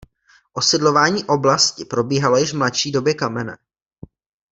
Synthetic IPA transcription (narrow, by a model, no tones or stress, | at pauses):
ʔo̞sɪdlo̞vaːɲiːʔo̞blascɪpɾo̞biːɦalo̞jɪʃvmlatʃiːdo̞bjɛkamɛnɛ̰